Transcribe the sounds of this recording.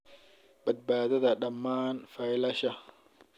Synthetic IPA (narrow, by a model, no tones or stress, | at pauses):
bɐd̪̚baːðɐðɐɗɐmːaːnfajlɐʃɐ